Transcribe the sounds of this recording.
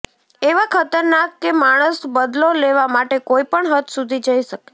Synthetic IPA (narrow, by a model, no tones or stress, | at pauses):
eʋakʰət̪əɾnakːemaɽ̃əsbəd̪loleʋamaʈekoipəɳɦət̪ʰsud̪ʱid͡ʒəiʃəke̥